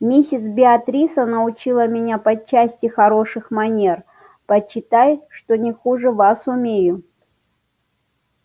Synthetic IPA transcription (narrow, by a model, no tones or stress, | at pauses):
mʲisʲɪt̪sbʲɪɐt̪ɾʲisənəʊt͡ɕilˠəmʲɪnʲapɐt͡ɕːæsʲtʲɪxɐɾo̞ʂɨxmɐnʲe̞r | pəɕːɪt̪ajʂt̪o̞nʲɪxuʐɨvasʊmʲejʊ